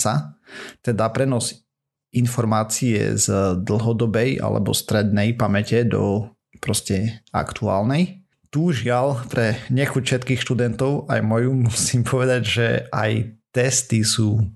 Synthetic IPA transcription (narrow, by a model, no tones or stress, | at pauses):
sat̪ɛd̪apɾɛnɔz | infɔɾmaːt͡siɛ̰zd̪l̩ˠɦɔd̪ɔbɛja̰lɛ̰bɔ̰st̪ɾɛd̪nɛjpamɛcɛd̪ɔ̰ | pɾɔscɛa̰kt̪ua̰ːlnɛj | t̪uʒɪalpɾɛɲɛxucfʃɛt̪kiːxʃt̪ud̪ɛnt̪ɔʊa̰jmɔjumusiːmpʰɔʋɛd̪aɟʒɛa̰jt̪ɛst̪isuː